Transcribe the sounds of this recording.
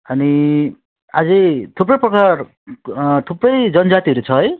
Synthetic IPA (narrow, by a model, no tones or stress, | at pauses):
ʌni | ad͡zet̪ʰuprʌjprʌkar | t̪ʰuprʌjd͡zʌnd͡zat̪iɦʌɾut͡sʰʌɦʌj